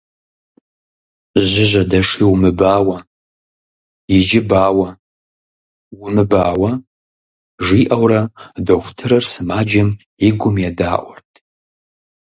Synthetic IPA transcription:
ʑɪʑɐdɐʂiːwmɨbaːwɐ | jɪd͡ʒɪbaːwɐ | wʊmɨbaːwɐ | ʐiːʔɐwrɐdɐxʷtʰɨɾɐrsɨmaːd͡ʒɐm | ɪɡʷʊmjɛda̰ːʔʷɔ̰rtʰ

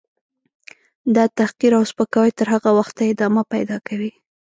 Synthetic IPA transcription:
d̪ɑt̪ahqiɾawspəkawajt̪əɾɦaɣawaxt̪ːaɪd̪ɑmapajd̪ɑkawi

